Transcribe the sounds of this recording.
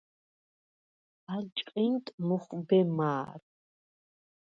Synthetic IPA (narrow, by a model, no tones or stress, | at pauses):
alt͡ʃʼqʼint̪ʼmɔχbɛmaːɾ